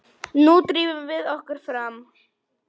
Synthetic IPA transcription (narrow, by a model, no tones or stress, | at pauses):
nut̪ɾiːvʏmvɪðɔhkʏɾ̥fɾam